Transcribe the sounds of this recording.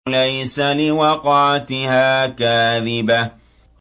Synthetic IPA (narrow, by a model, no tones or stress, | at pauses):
lajsalɪwɑqɑʕat̪ɪhaːkaːðɪba